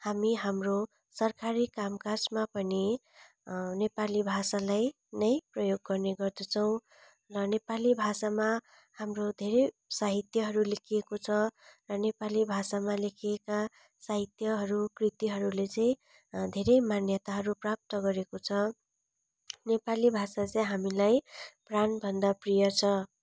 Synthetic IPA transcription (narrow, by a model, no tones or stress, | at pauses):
hamiɦamro | sʌrkaɾikamkarsmapʌni | nepalibʱasalaj | nʌjprʌjoɡːʌrneɡʌrd̪ʌt͡sʰʌw̃ | rʌnepalibʱasama | hamrod̪ʱeɾʌj | saɦit̪jʌɦʌɾulekʰiekot͡sʰʌrʌnepalibʱasamalekʰijeka | saɦit̪jʌɦʌɾukrit̪iɦʌɾulet͡sʌĩ | d̪ʱeɾʌjmanjʌt̪aɦʌɾuprap̚t̪ʌɡʌɾekot͡sʰʌ | nepalibʱasat͡sʌj̃ɦamilajpranbʱʌnd̪aprijʌrt͡sʰʌ